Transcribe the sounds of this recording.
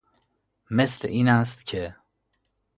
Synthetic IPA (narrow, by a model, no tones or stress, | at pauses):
meslḛʔiːnæs̬t̪cʰe